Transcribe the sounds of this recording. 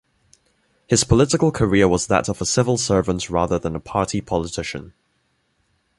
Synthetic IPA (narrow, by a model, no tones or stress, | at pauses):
hɪz̥pʰəlɪtɪkəlˠkʰəɹɪəwɒzðə̰təvəsɪvəlˠsɜːvə̃ntɹɑːðəðə̃nəpʰɑˑtʰipʰɒlɪtʰɪʃə̰̃n